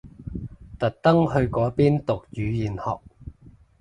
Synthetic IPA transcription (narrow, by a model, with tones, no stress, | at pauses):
t̪ɐ˨t̚t̪ɐ˥ŋhɵ˧ɥkɔː˨˥piː˥nt̪ʊ˨k̚t͡ʃyː˨˧jiː˨nhɔ̰ː˨k̚